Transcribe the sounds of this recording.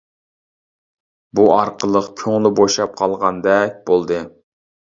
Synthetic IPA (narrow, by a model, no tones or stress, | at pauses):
buɑɾqʰəlˠəqkʲʰøŋlˠɨboʃɑp̚qʰɑlˠʁɑnd̪ɛk̚ʲb̥olˠd̪ɨ